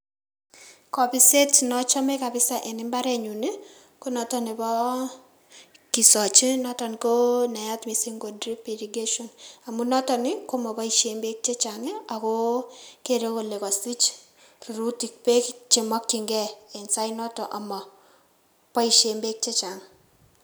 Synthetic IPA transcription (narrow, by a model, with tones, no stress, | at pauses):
kɔ˨pɪ˦se˦tnɔ˦t͡ʃɔ˦me˦ka˨bɪ˦sa˨ʔe˨nɪ˦mba˦ɾɛ˨ɲu˨ni˦ | ko˦nɔ˨tɔ˦nɪ˨bɔ˦ | ki˨sɔ˨t͡ʃi˦nɔ˦tɔ˨n˨ko˦na˨ja˦tmi˨si˦ŋɡo˨dri˦pi˨ɾi˨ɡe˦ʃo˨na˨mu˦nɔ˦tɔ˨nɪ˦ko˦mɔ˨pɔ˦i˨ʃe˨mbe˦k̚t͡ʃe˦t͡ʃa˨ŋɪ˦a˨ko˦ke˨ɾe˦ko˨le˨kɔ˨si˦t͡ʃ | ri˨ɾu˦ti˨k̚pe˦kt͡ʃɪ˨mɔ˦kːi˨ŋɡɛ˦e˨nsa˦inɔ˦tɔ˨ʔa˨mɔ˨ | pɔ˦i˨ʃe˨mbe˦k̚t͡ʃe˦t͡ʃa˨ŋ